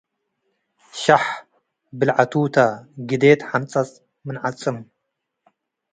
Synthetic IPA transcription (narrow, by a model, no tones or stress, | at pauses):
ʃaħ | bɨlʕat̪ʰuːt̪ʰaɡɨd̪eːt̪ħamt͡sʼɐt͡sʼ | mɨnʕat͡sʼɨm